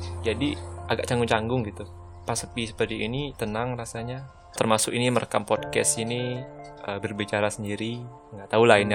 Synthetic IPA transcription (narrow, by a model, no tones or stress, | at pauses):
d͡ʒadiaɡaʔ̚t͡ʃaŋɡʊŋt͡ʃaŋɡʊŋɡit̪u | pasəpisə̥pərt̪iʔːnit̪ənaŋrasaɲa | t̪ərmasʊkiniməɾʔəkampɔd̚kɛ̰siniəbərbit͡ʃaɾasəndiɾi | ŋɡaʔt̪aulaɪn